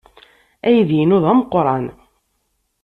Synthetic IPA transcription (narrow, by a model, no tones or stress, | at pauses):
æjəðjinʊðˤæməqːɾˤɑn